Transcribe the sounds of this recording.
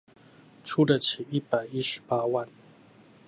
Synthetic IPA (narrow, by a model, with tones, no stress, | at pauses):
ʈ͡ʂʰu˥lə˨˩t͡ɕʰi˨˩ʔi˥˩pa˨˩ɪi˦˥ʂɻ̩˨˩pa˥wa˥˨n